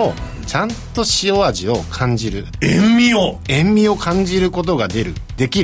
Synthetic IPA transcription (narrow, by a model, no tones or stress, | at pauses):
o | t͡ɕãnt̪o̞ɕio̞aʑio̞kʰãɲ̟d͡ʑiɾɯ̟ẽmmʲioẽ̞mmʲio̞kʰãɲ̟d͡ʑiɾɯ̟ko̞t̪̬o̞ɡad̪e̞ɾɯ̟d̪̥e̞kʲi